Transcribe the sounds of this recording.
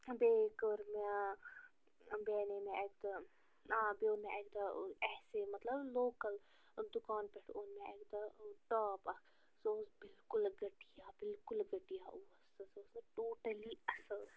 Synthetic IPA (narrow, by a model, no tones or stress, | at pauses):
beːkəɾme | beːnemẽʔek̚t̪ɐ | ãbeʊnmẽʔekd̪ɐɛːsemɐt̪lɐbloːkəl | d̪ʊkaːnpeʈʰʊnmẽekd̪ɐʈaːpɐk | soːsbɪlkʊlɡɐʈijaːbɪlkʊlɡɐʈijaʔuːɐsɐsoːsʈoːʈəliɐsəl